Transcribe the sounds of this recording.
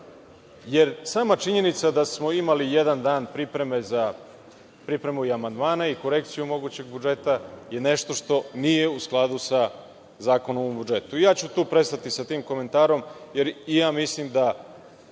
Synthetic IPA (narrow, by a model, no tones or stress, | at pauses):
je̞ɾsaːmat͡ʃiɲe̞nit̪sad̪asmo̞imalijed̪and̪aːnpɾipɾe̞me̞za | pɾipɾe̞muiamand̪maːnaiko̞ɾe̞kt̪sijumo̞ɡuːt͡ɕe̞ɡ̚bud͡ʒe̞t̪aje̞ne̞ʃt̪o̞ʂt̪o̞nije̞usklˠad̪usa | zaːko̞nommbud͡ʒe̞t̪uijaːt͡ɕut̪uːpɾe̞st̪at̪isat̪iːmko̞me̞nt̪aːɾo̞mje̞ɾijaːmislimd̪a